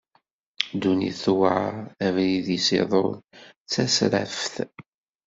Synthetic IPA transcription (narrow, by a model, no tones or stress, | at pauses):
d̪unḭθwaævliðisḛðˤolt͡sːæsɾæ̰fθ